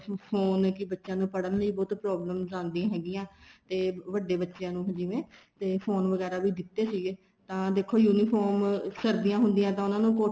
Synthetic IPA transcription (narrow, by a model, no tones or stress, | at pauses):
pʰoːnkɪbətːʃjãːnũːpəɽənləiːbɔːt̪pɾɔːbləmzãːnd̪iãːɦɛːɡiːãːt̪eːʋəɖːeːbətːʃɪjãːnũːɦd͡ʒɪʋẽːt̪eːpʰoːnʋəɡɛːɾaːʋiːd̪ɪt̪ːeːsiːɡeː | t̪ãːd̪eːkʰːoːjuːniːpʰɔːɾmsəɾd̪ijãːɦʊnd̪ijãːt̪ãːʊnãːnũːkoː